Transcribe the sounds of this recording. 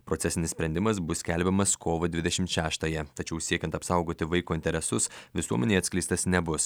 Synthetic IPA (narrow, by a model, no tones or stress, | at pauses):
pɾoːt̪ʲɛsʲɪnʲɪssʲpʲɾʲɛnʲd̪ʲɪmɐsbʊsʲkʲɛlʲbʲɛmɐskoːʋɐd̪ʲʋʲɪd̪ʲɛʃʲɪmt̪ʃʲæːʃt̪ɐjɛt̪ɐt͡ʃʲɛʊsʲiɛkʲɛnt̪ɐpsɑˑʊɡoːt̪ʲɪʋɐɪkoːɪnʲt̪ʲɛɾʲɛsʊsʋʲɪsuɔmʲɛnʲeɪɐt̪sʲklʲɛɪst̪ɐsnʲɛbʊs